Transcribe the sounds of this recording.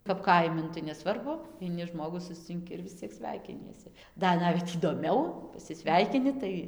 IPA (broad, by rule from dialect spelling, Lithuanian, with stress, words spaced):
kɐp ˈkɐɪmʲɪ ˈnʊ tɐɪ nʲɛˈsʋɐrbʊ ɐɪˈnʲɪ ˈʒmoːɡuː sʊsʲt͡sʲɪŋʲˈkʲɪ ɪr ʋʲɪs ˈt͡sʲiɛk ˈsʲʋʲɛɪkʲɪnʲiɛsʲɪ ˈdɐr ˈnɑːʋʲɛt iːdoːˈmʲɛʊ pɐsʲɪˈsʲʋʲɛɪkʲɪnʲɪ ˈtɐɪ